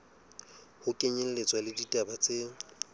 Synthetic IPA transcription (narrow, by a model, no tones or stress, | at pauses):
hʊkʼeɲel̩let͡sʼwalɪditʼabat͡sʼɪ